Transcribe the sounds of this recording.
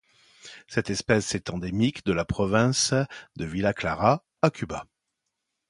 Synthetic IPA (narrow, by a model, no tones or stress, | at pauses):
sɛt̪ɛspɛsɛt̪ɑ̃d̪emikd̪əlapχɔvɛ̃sd̪əvilaklaʁa | akʰʲyba̰